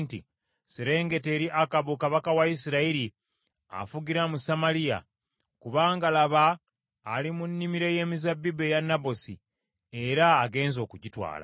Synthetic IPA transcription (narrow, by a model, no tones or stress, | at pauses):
ntḭ | seɾe̞ːŋɡe̞te̞ːɾiʔakaβukaβakawaisiɾaiɾi | a̰fuɡiɾamusamalija̰ | kuβaːŋɡalaβaː | limunːimiɾe̞je̞ːmizabːibe̞janːabo̞si | eɾaːɡe̞ːnzo̞ːkuɟitwa̰ːla̰